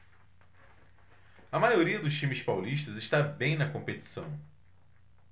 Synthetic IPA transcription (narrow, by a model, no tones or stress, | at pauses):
ɐmajoɾiɐd̪ʊʃt͡ʃĩmɪspawliʃt̪ɐzɪʃt̪abẽj̃nɐkõmpet̪i̥sɐ̃w̃